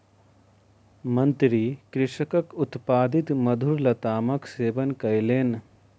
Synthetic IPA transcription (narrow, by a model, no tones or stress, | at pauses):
mɐ̃nt̪ɾikɾɪʃəkəkʊt̪paːd̪ɪt̪mɐd̪ʱuɾlɐt̪aːmɐkseːʋənkɐjleːn